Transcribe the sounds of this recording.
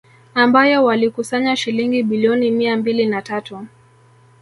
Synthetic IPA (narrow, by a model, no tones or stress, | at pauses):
ambajɔwalikusaɲaʃiliŋɡiɓiliɔnimiambilinatatu